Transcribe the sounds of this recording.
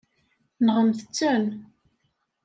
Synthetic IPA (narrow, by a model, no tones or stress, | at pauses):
nʁəmθət͡sːun